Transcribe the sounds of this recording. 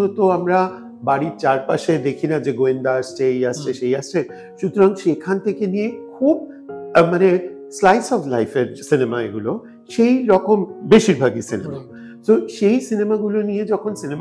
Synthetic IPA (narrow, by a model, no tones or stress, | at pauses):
ɦot̪oamɾa | baɾiɾt͡ɕaɾpaʃed̪ekʰinad͡ʑeɡoind̪aaʃt͡ɕʰejaʃt͡ɕʰeʃejaʃt͡ɕʰe | ʃut̪oɾaŋʃekʰant̪ʰekenijekʰub | mane | slajsɔflajfeɾsinemaeɡulo | ʃejɾɔkombeʃiɾbʱaɡisinema̰ | t̪oʃejsinemaɡulonijed͡ʑɔkʰonsinem